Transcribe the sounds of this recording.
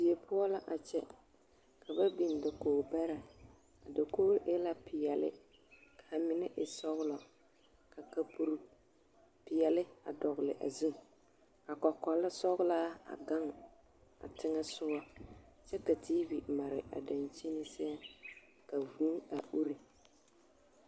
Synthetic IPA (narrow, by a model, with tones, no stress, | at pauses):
si˨e˨pʊ˦a˦la˦ʔa˨t͡ʃɛ̰˦ | kʰa˨βa˦bi˨n˨da˨koː˨bɛ˦ɾa˨ | a˨da˨koː˦ʔe˦la˦pʰɪ˨jɛ˨lɪ̰˦ | kʰa˨mɪ˨˦nɪ˦ʔɪ˨sɔ˦ɣʊ˦lɔ˨ | ka˨ka˨pu˨ɾ | pɪ˨jɛ˨lɪ˦a̰˨dɔ˨ɣʊ˨lɪ̰˨ʔa̰˨zɪ˦ | a˨kɔ˨kɔ˨lːa˦sɔ˦ɣʊ˦laː˦a̰˨ɡa˦ŋ | a̰˨tʰɪ˦ŋa˦sʊ˦a˦t͡ʃɛ˦ka˨ti˦vi˨ma˨ɾɪ̰˨ʔa̰˨da˨nt͡ʃi˦nɪ˦sɛ˦a˦ | ka˨vuː˦a˨ʔu˦ɾi˨